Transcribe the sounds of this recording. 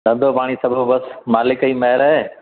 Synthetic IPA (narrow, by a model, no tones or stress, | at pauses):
d̪ɐ̃nd̪oːpaːɽ̃iːsɐbʱəbɐsmaːlɪkəiːmɐɦɪɾɐɦeː